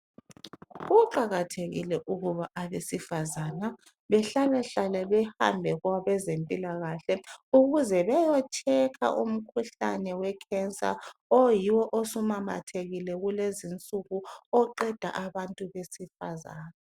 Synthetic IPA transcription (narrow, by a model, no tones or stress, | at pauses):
ɣuǃaɣatʰeɣḭlɛʔuɣuβaʔaβesifazana | βɛɬalɛɬalɛβɛha̰mbʱɛɣwaβɛzempʼilaɣaɬɛuɣuzɛβɛjɔt͡ʃʰʼɛkʰa̰ʔum̩kʰuɬa̰nɛwɛkʰɛnsʼa̰ojiwɔʔosumama̰tʰeɣilɛɣulezint͡sʼuɣuɔǃɛd̥ʱa̰ʔaβantʼuβesifa̰zaːna